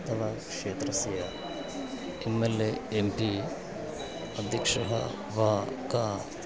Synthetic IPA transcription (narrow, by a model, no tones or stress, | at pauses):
t̪ɐlɐkʂeːt̪ɾɐsijɐ | emːelːeːmpi | ɐd̪ʱikʂɐ̰ɦɐ̰ | ʋaːkaː